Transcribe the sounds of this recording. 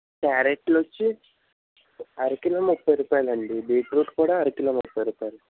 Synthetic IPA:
ʈaːɾeʈːlot͡ʃːi | ɐɾikilɐmupːɐjɾupːaːlɐɳɖibeːʈɾuːʈkuːɽaːɐɾikulɐmupːɐjɾupːaːlu

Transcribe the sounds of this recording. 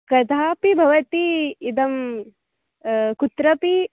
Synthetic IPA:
kɐd̪ʱaːpibʱɐʋɐt̪iid̪ɐm | kut̪ɾɐpi

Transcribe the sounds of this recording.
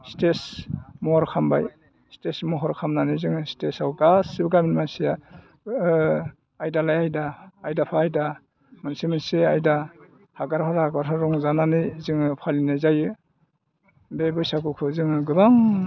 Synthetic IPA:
stesmɔɔɾkʰamba̰j | stesmɔɦɔɾkʰamnanɯzɯŋɯstesawɡasibɯɡaminmansija | jdalajajdaːjdapʰaːjda | mɯnsimɯnsiajda | haɡaɾpʰaɾaɡaɾɦʰaɾɔŋzananɯjzɯŋɯpʰalinajzajɯ | bebɯjsakukʰɯzɯŋɯɡɯbaŋ

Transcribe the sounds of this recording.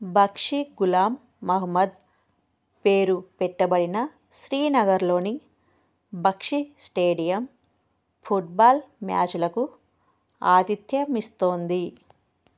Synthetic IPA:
bʱɐkʂiɡulaːmː | ɐɦmɐd̪ | peːɾupɛʈːɐbɐɽinɐ | ʃɾiːnɐɡɐɾlo̞ːni | bʱɐkʂisʈeːɖijɐm | pʰuʈ̚baːlmja̰ːt͡ʃulɐku | a̰ːt̪it̪jɐmist̪o̞ːnd̪i

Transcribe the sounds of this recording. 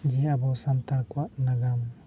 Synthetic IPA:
d͡ʒɛabawsamt̪aɾkwaʔnaɡam

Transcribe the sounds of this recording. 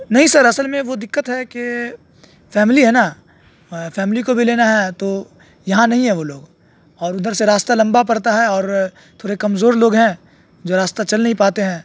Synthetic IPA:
nɐɦĩsɐɾɐsəlmẽʋod̪ɪkːət̪ɦɛke | fɛːmɪliɦɛna | fɛːmɪlikobʱileːnaɦɛt̪o | jɐɦãnɐɦĩɦɛ̃ʋoloːɡ | ɔːɾʊd̪əɾseɾaːst̪alɐ̃mbap̬ɐɾt̪aɦɛɔːɾ | t̪ʰoːɾekɐmzoːɾloːɡɦɛ̃ː | d͡ʒoːɾaːst̪at͡ʃɐlnɐɦĩpaːt̪eɦɛ̃ː

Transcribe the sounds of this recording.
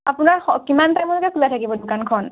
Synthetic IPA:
apunaɹɔkimantajmɔlkakʰulatʰakibɔdʊkankʰɔn

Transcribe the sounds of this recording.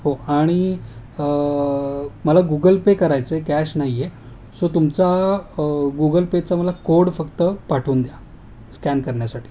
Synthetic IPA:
ɦoaɽ̃iə | məlaɡuɡəlpekəɾajt͡sekɛɕnaɦije | sot̪umt͡sa | ɡuɡəlpet͡saməlakoɽfəkt̪əpaʈʰuːnd̪ja | skænkəɾɳjasaʈʰi̥ː

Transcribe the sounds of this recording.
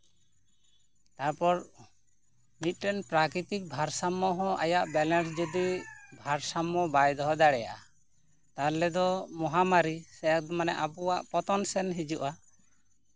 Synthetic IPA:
t̪aɾpɔɾ | mit̪̚ˀɾɛnpɾakɾit̪ik̚bʱaɾsamːɔɦɔ̃ʔa̰jaʔbɛlɛns̬d͡ʒɔd̪ibʱaɾsamːɔbajd̪ɔɦɔd̪aɽɛja̰ʔa | t̪aɾlɛd̪ɔmɔɦamaɾisɛak̚d̪ɔmanɛʔapuwaʔpɔt̪ɔnsɛnɦid͡ʒuʔa

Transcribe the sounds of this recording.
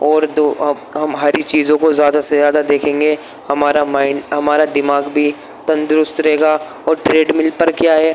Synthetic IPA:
ɔːɾd̪o | ɦɐmɦaːɾit͡ʃiːzõkozjaːd̪asezjaːd̪ad̪eːkʰẽːŋɡe | hɐmaːɾamaːɪnɦɐmaːɾad̪ɪmaːɡbʱi | t̪ɐ̃nd̪ɾʊst̪ɾɐɦɛːɡa | ɔːɾʈɾeːɖmɪlpəɾkjaːɦɛː

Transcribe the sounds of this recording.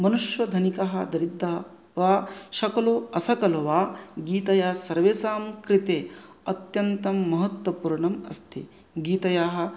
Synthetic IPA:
mɐnuʃʋɐd̪ʱɐnikɐɦɐ̰d̪ɐɾid̪ʱːɐ | ʋaːʃɐkɐloːɐsɐkɐlɐʋaːɡiːt̪ɐjaːsɐɾʋeːsaːmkɾit̪eː | ɐt̪jɐnt̪ɐmːɐɦɐt̪wɐpuːɾɳɐmɐst̪ʰḭ | ɡiːt̪ɐjaːɦɐ̆

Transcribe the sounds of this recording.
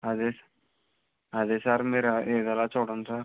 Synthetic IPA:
ad̪es | ad̪esaɾmeːɾaeːd̪alat͡ʃoːɽənsaɾ

